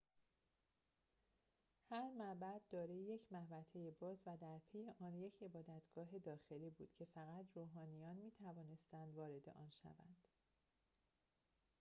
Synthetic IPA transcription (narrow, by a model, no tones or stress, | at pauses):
hæɾmæbæd̪ːɒːɾeje̞cʰmæhbæt̪ʰejebɒːzvæd̪æɾpʰejeʔɒːnje̞cʰe̞bɒːd̪æt̪ʰɡ̥ɒːɦe̞d̪ɒːxe̞liːbuːd̪̥cʰe̞fæɣæt̪ʰɾoːɦɒːnijɒːnmiːt̪ʰævɒːne̞st̪ænd̪vɒːɾe̞d̪e̞̰ʔɒ̰ːnʃæ̰væ̰nd̪̥